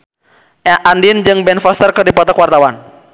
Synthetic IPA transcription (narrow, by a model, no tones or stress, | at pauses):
ʔɛʔandind͡ʒɨŋbɛnfast̪ərkɨrdipɔt̪ɔkwart̪awan